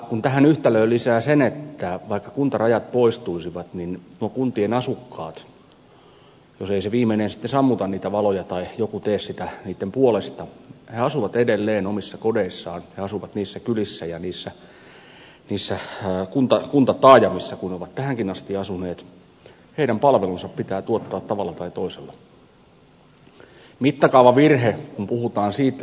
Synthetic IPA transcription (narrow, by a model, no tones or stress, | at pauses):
kunt̪æhænyht̪æløːlisæːsenet̪ːæʋɑikːɑkunt̪ɑrɑjɑt̪̚poist̪uisiʋɑt̪ninnuokunt̪ienɑsukːɑ̰ːt̪ | joseiseʋiːmːˑeinensi̥t̪ːesɑmːut̪ɑnniːt̪æʋɑlojɑt̪ɑijokut̪eːssit̪æniːt̪ːempuolest̪ɑheɑsuʋɑt̪edelːeːnomisːɑkodeisːɑːnheɑsuʋɑt̪niːsːækylisːæjɑniːsːæ | niːsːækunt̪ɑkunt̪ɑt̪ɑːjɑmisːɑkunneoʋɑt̪t̪æhæŋkinɑst̪iɑsuneːt̪ | heiɾæmpɑlʋelunsɑppit̪æːt̪uot̪ːɑːt̪t̪ɑʋɑlːɑt̪ɑit̪oiselːɑ | mit̪ːɑkɑuʋɑʋirhekumpuhut̪ɑːnsiːt̪ːæ